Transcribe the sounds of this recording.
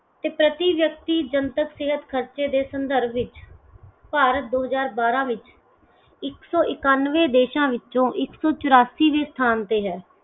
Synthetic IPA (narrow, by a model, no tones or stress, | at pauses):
t̪eːpɾət̪iːʋjək̚t̪iːd͡ʒənt̪əkseːɦət̪kʰəɾt͡ʃeːd̪eːsənd̪əɾbʰɪt͡ʃ | paːɾət̪̚d̪oːɦəzaːɾbaːɾãːʋɪt͡ʃ | ɪksɔːʔɪkaːnʋeːd̪eːʃãːʋɪt͡ʃõːʔɪksɔːt͡ʃʊɾaːsiːʋeːst̪ʰaːnt̪eːɦɛː